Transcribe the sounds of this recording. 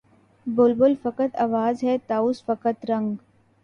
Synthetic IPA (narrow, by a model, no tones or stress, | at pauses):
bolbolfɐkət̪aʋaːzɦɛt̪aːʊsfɐkət̪ɾɐ̃ŋɡ